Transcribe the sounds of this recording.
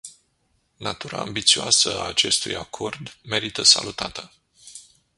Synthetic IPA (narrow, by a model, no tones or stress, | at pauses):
nat̪uɾa̰ːmbit̪sioasəaːt͡ʃe̞st̪ujakʰo̞rd̪me̞ɾit̪əsa̰lut̪at̪ə